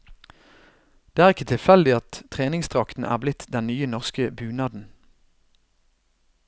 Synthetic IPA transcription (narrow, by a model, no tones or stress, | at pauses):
d̪̥eːæːʁɪkət̪ʰɪlfɛld̪ɪɑt̪ʰʁeːnɪŋst̪ʰʁɑkt̪n̩ʔæ̰ːʁblɪt̪ʰd̪ɛnnyːənɔʁskəbʉːnɑːd̪n̩